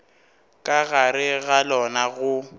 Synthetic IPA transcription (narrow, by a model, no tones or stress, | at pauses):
kʼaɣaɾɪɣalɔnaɣʊ